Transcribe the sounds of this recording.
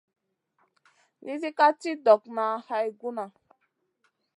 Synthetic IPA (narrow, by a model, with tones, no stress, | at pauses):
ni˦zi˦ka˦ti˦dɔ˨kna˨˦ha˦jɡu˦na˨